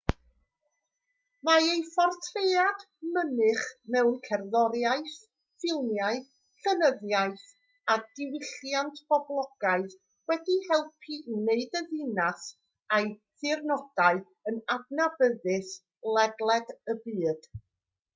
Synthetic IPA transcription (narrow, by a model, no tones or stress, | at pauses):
maejfɔrtʰrejad | mənɨχmɛwnkʰɛrðɔɾjaɨθ | fɪlˠmjaɨθ | ɬənəðjaɨθ | adɪwɪɬjantʰb̥ɔblˠɔɡ̥aɨð | wɛdihɛlˠpʰineɨdəðɪnas | ajθɪrnɔd̥aɨ | ənadnabəðɪs | lˠɛdlˠɛdəbiːd̥